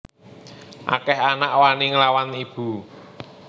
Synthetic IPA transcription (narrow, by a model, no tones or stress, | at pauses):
ʔa̰kɛɦanaʔwaniŋəlawanib̥ṳ